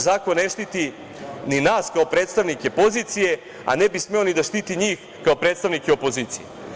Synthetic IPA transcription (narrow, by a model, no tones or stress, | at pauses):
zaːkonːeʃt̪it̪i | ninaːskaopɾeːt̪st̪aʋnike̞po̞zit̪sije̞ | a̰nebisme̞onid̪aʃt̪iːt̪iɲiːx | kao̞pɾet̪st̪aʋnikeopo̞ziːt̪sijḛ